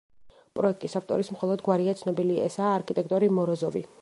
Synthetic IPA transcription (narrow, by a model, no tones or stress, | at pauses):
pʼɾɔɛk̚t̪ʼisaft̪ʼɔ̰ɾismχɔlˠɔd̪ɡwaɾiat̪sʰnɔbiliaɛsaːɾkʰit̪ʼɛk̚ʰt̪ʼɔɾimɔɾɔzɔvḭ